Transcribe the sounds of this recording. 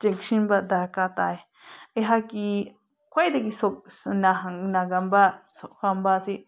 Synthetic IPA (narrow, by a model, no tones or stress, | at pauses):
t͡ʃekʃimbad̪akat̪ae | eɦaki | kʷajd̪ekisonãɦãnãɡambasohambasi